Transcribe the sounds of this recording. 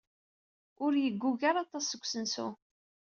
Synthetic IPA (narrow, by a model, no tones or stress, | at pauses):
ʊɾjəɡʷːuʝaɾˤɑt̪ˤɑsːəɡʷsənsṵ